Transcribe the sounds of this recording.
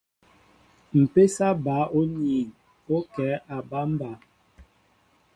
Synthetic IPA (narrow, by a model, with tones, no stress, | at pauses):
m̩˨pe˦sa˦ba˨˦o˦ni˨ŋ | o˦kɛː˨˦ʔa˨ba˦m̩˦ba˨˦